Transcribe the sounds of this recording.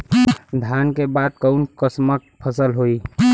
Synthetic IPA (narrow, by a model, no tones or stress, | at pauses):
d̪ʱjaːnkebaːd̪̚kəʊnkəsmək̚pʰəsəlɦoi